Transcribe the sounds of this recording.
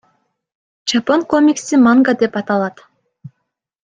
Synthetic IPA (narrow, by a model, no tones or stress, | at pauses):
t͡ʃaponkomʲiksimaŋɡad̪e̞pɑt̪ɑlˠɑt̪